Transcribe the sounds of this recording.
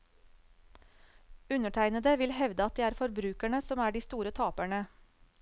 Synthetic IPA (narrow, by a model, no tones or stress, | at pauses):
ʉnəʈʰæɪnəd̪əʋɪlhɛʋd̪əɑt̪̚d̪iːæːɾfɔɾbɾʉːkæɳəsɔmæːɖiːst̪uːɾət̪ʰɑːpæɳə